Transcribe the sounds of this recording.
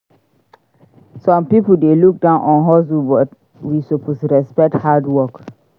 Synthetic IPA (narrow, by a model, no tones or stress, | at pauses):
sɔ̃mpipuldeluk̚dãʊ̃nʔɔ̃nɦɔs̬ubɔt | wisopʰostɹɛspɛk̚thadwɔk